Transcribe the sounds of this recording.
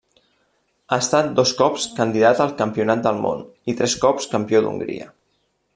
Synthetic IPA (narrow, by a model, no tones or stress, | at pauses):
aəst̪at̪̚d̪oskɔpskənd̪iðat̪əlˠkəmpiunat̪̚d̪əlˠmo̰n | it̪ɾɛskɔpskəmpiod̪ṵŋɡɾḭə̰